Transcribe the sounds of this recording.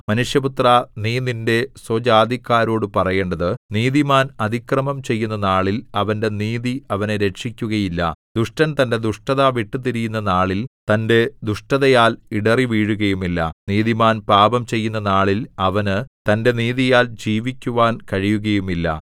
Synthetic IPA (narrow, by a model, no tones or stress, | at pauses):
mɐnuʂjɐput̪raniːninde̞sod͡ʑaːd̪ikːaːɾo̞ːɽɨpɐrɐje̞ːɳɖɐðɨniːðimaːnɐd̪ʱikrɐmɐmt͡ɕe̞jːunːɐnaːɭilɐʋɐnde̞niːðiɐʋɐneɾe̞ʂikʲːuɣɐjilːɐ̰d̪̥uʂʈɐnt̪ɐnde̞d̪uʂʈɐðaʋiʈːɨt̪iɾijunːɐnaːɭilt̪ɐnde̞d̪uʂʈɐðɐjaːliɽɐriʋiːɻuɣɐjumilːɐ̰niːðimaːnpaːbɐmt͡ɕe̞jːunːɐnaːɭilɐʋɐnɨt̪ɐnde̞niːðijaːld͡ʑiːʋikʲːuʋaːnkɐɻijuɣɐjumilːɐ̰